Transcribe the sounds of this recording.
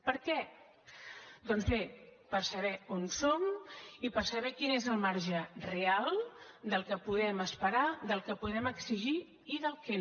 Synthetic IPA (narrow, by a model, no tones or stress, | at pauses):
pəɾkɛ | d̪ɔnzβepəɾsəβɛonsomipəɾsəβɛkinezəlˠmaɾʒərealˠd̪əlˠkəpuðɛməspəɾaðəlˠkəpuðɛməksiʒiː | ðəlˠkɛ